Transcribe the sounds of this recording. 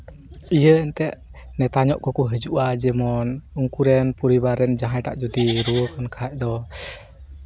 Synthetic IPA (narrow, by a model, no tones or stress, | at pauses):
ijəɛnt̪ɛʔnɛt̪aɲɔʔkɔkuɦəd͡ʒuʔad͡ʒɛmɔnuŋkuɾɛnpuɾibaɾɛnd͡ʒaɦajʈa̰ʔd͡ʒud̪iɾuəkɔnkʰaɦac̚d̪ɔ